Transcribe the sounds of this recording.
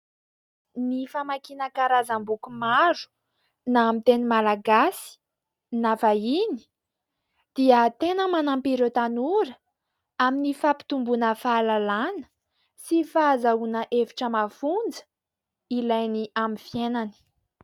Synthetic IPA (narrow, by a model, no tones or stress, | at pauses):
nifamakinakaɾazambukumaɾu̥ | naːmit̪enimalaɡasi̥ | nafaini̥ | d̪̥iət̪enəmanampiɾot̪anuɾə | aminifapi̥t̪umbunəfalalanə̥ | sifaazaunəʔevi̥ʈ͡ʂəmafund͡zə̥ | ilajniʔamifjenani̥